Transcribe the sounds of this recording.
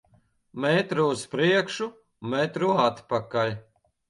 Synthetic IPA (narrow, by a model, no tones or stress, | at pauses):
mɛt̪ɾuːspɾiɛkʃu | mɛt̪ɾuat̪pakalʲ